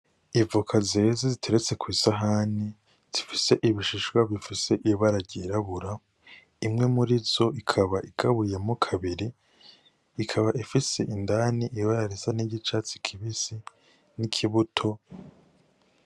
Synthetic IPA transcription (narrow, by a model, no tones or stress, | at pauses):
ivukʰazezezitʰe̞ɾet͡se̞kwiːsaɦani | z̥ifise̞ʔiβiʃiʃɡwaβifise̞ʔiβaɾaɟiɾaβuɾa | imŋe̞muɾizo̞ikʰaβaʔiɡ̥aβuje̞mukʰaβiɾiː | kʰaβaʔifise̞ʔindaniʔiβaɾaɾizaniɟit͡ʃat͡si̥kʰiβisi | nikʰiβutʰo̞